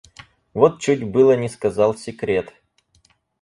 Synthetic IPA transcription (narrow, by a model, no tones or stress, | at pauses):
vot̪̚t͡ɕutʲbɨlˠənʲɪskɐzɑlˠsʲɪkɾʲe̞t̪